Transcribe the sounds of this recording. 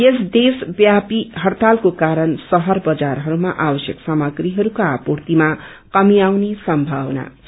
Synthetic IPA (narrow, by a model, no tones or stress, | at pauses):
jesd̪esbjapiɦʌɽt̪alkokaɾʌnsʌɦʌrbʌd͡zarɦʌɾumaʔabʌsjʌksamʌɡriɦʌɾukaːport̪ima | kʌmiawnesʌmbʱawʌna̰